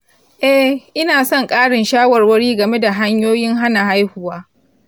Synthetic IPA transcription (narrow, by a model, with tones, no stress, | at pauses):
ʔɛ˦hʔɪ˦naː˨sɔ˦˨ŋkʼaː˦ɽɪ˨nʃaː˦wɐ˨rwɐ˦ɽiː˦ɡɐ˨me˦da˨ɦa˦ɲjoː˦jɪ˦ŋɦa˦na˨ɦa˦jhuː˨waː˦